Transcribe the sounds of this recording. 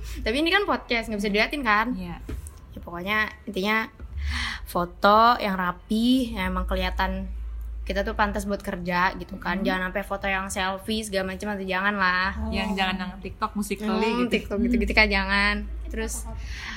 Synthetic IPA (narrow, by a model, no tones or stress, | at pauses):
t̪apiːnikanpɔd̪̚kɛst̪ŋɡabis̬adiat̪ɪnkanja | japokoɲaint̪iɲa | fot̪ojʔaŋrapijaemaŋkəliat̪ankit̪at̪upant̪asbuat̪̚kərd͡ʒaɡit̪ukand͡ʒaŋanapafot̪ojaŋsɛlfisɡamat͡ʃəmant̪id͡ʒaŋanlahjaŋd͡ʒaŋanjaŋat̪ik̚t̪ɔk̚musik̚əlit̪ik̚t̪ɔk̚ɡit̪uɡit̪ukad͡ʒaŋant̪əɾʊs